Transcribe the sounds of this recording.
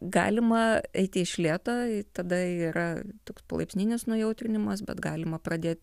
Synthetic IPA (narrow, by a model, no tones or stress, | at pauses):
ɡɑ̰ːlʲɪmɐɛɪt̪ʲɪɪʃʲlʲiːt̪oːɪt̪ɐd̪ɐiːɾɐt̪oːkspɐ̰lˠɐ̰pʲsʲnʲinʲɪsnuːjɛʊt̪ʲɾʲɪnʲɪmɐs̬bʲɛ̰t̪ɡɑːlʲɪmɐprɐd̪ʲeːt̪ʲ